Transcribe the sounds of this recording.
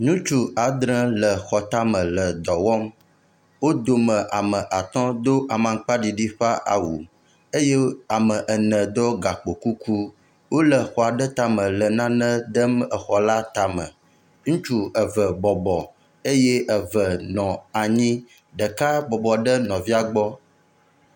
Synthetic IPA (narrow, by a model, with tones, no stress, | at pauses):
nũ˦t͡ʃu˦ʔa˨d̪ɾə̃˦lə˨xɔ˨t̪a˦mə̃˨lə˨d̪ɔ˨wɔ˦m | wo˦d̪o˨mə̃˨ʔa˨mə̃˨ʔa˨t̪ɔ̃˦d̪o˦ʔa˨mã˨ŋ˦k͡pa˦ɖi˨ɖi˦ɸa˦ʔa̰˨wṵ˨ | e˦je˦a˨mə̃˨ʔə˨nə̃˨d̪ɔ˦ɡa˨k͡po˨ku˦kʰu˦ | wo˦lə˨xɔ˨a˨ɖə˦t̪a˦mə̃˨lə˨nã˦nə̃˦d̪ə˦mə˨xɔ˨la˦t̪a˨mə̰̃˨ | ŋũ˦t͡ʃu˦ə˨və˨bɔ˨bɔ˨ | e˦je˦ʔə˨və˨nɔ̃˨a˨ɲĩ˦ | ɖə˨ka˦bɔ˨bɔ˨ɖə˦nɔ̃˨vi˦a˨ɡ͡bɔ˦